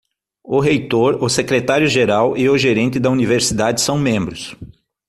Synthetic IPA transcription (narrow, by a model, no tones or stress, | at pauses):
ʊɦejt̪oɾʊsekɾet̪aɾjʊʒeɾawʔɪʊʒeɾẽnt̪ɪd̪ɐuniveɾsid̪ad͡ʒɪsɐ̃w̃mẽmbɾʊs